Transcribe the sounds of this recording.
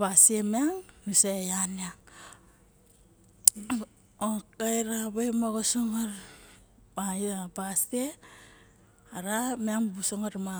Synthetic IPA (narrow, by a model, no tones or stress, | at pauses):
basemeaŋnusajaneaŋ | okajɾaβamaɡosoŋaɾ | maabaste | aɾameaŋbusoŋaɾma